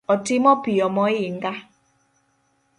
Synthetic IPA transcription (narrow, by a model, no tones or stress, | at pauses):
ɔtimɔpiɔmɔiŋ̩ɡa